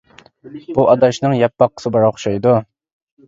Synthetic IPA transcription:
b̥uʔɑd̪ɑʃnɨŋjɛpːɑqːə̥sɨbɑɾɑχʊʃɑjd̪u

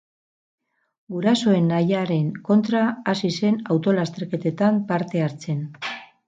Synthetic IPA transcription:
ɡuɾaso̞e̞najaɾe̞ŋko̞nt̪ɾaːsise̞nawt̪o̞last̪e̞ɾke̞t̪e̞t̪ampaɾt̪e̞aɾt͡se̞n

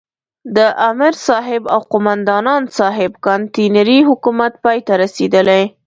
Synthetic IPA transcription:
d̪əʔamɪɾsɑɦɪba̰wqʊmand̪ɑnɑnsɑɦɪbkɑnt̪inaɾiɦʊkumat̪̚pɑjt̪aɾased̪əlej

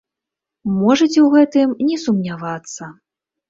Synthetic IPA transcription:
mɔʐɐt͡sʲɛwɣɛt̪ɨmnʲɛsumnʲavat̪sːɐ

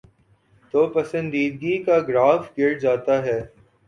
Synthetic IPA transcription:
t̪oːpɐsə̃nd̪iːd̪̚ɡikaɡɾaːfɡɪɾd͡ʒaːt̪aɦɛː

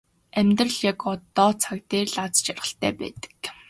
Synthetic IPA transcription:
æmʲt̪rə̆ɮjakɔt̪ɔːt͡sʰakt̪eːrɮat͡st͡ɕarʁə̆ɬt̪æ̰ːpæ̰ːt̪ə̥k

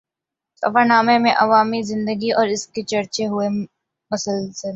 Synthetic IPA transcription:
sɐ̰fanaːmemẽʔɐʋaːmizɪ̃nd̪əɡiɔːɾɪsket͡ʃɐɾt͡ʃeɦue | mɐsəlsə

